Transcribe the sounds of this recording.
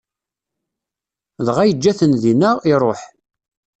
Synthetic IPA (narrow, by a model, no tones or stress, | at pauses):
ðʁæjəd͡ʒːæθənðinəʁiɾˤoħ